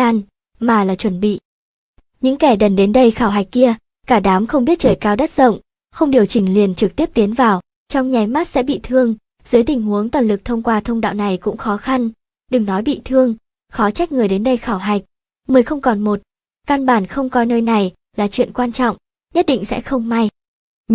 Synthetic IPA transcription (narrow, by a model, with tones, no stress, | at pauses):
aː˧n | maː˨˩laː˨˩t͡ɕwə˧˩nɓḭ˧˨ʔ | ɲɨ̰˧˥ŋkɛ˧˩ɗə˨˩nɗe˨˦nɗə˧jxaː˧˩wɦa˨˩jk̚ki˧ə | kaː˧˩ɗaː˨˦mxə˧wŋ͡mɓi˦˥ət̚t͡ɕəː˧˩jkaː˧wɗa˦˥t̚z̥ə̰˧˨wŋ͡m | xə˧wŋ͡mɗi˨˩əwt͡ɕï˨˩ŋ̟li˨˩ənt͡ɕɨ˨˩k̚t̪i˦˥əp̚t̪i˨˦ənvaː˨˩w | t͡ɕɔ˧wŋ͡mɲa˨˩jmaː˦˥t̚sɛ̰˧˥ɓḭ˧˨t̪ʰɨ˧əŋ | z̥ɨ˨˦jt̪ï˨˩ŋ̟hu˨˦əŋt̪waː˨˩nlɨ˨˩k̚t̪ʰə˧wŋ͡mkwaː˧t̪ʰə˧wŋ͡mɗa̰ː˧˨wna˨˩jkʊ̰˧˥ŋ͡mxɔ˨˦xa˧n | ɗɨ˨˩ŋnɔ˨˦jɓḭ˧˨t̪ʰɨ˧əŋ | xɔ˨˦t͡ɕa˦˥jk̟̚ŋɨ˨˩əjɗe˨˦nɗə˧jxaː˧˩wɦa˨˩jk̟̚ | məː˨˩jxə˧wŋ͡mkɔ˨˩nmo˨˩t̚ | ka˧nɓaː˧˩nxə˧wŋ͡mkɔ˧jnəː˧jna˨˩j | laː˨˩t͡ɕwḭ˧˨ənkwaː˧nt͡ɕɔ̰˧˨ŋ͡m | ɲə˦˥t̚ɗḭ̈˧˨ŋ̟sɛ̰˧˥xə˧wŋ͡mma˧j